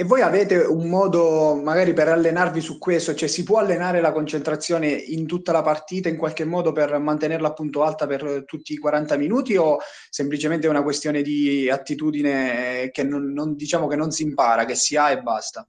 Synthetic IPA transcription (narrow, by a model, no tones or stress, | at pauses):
evːojavɛːt̪eumːɔːd̪omaɡaːɾipeɾalːenarvisukːwest̪ot͡ʃoɛsipwɔalːenaːɾelakont͡ʃent̪ɾat̪sːjoːneint̪ut̪ːalapart̪iːt̪aiŋkwalkemːɔːd̪opermant̪enerlaːpːunt̪oalt̪apert̪ut̪ːiːkwaɾant̪aminuːt̪io | semplit͡ʃement̪̬eunakwest̪joːned̪iat̪ːit̪uːd̪inekenːonːond̪it͡ʃaːmokenːonsimpaːɾakesːiaebːa̰st̪a